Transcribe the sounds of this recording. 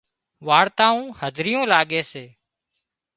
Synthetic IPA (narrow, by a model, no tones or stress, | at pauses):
ʋaːɽt̪ãːũːhəzʱɾɪjõːlaːɠeːseː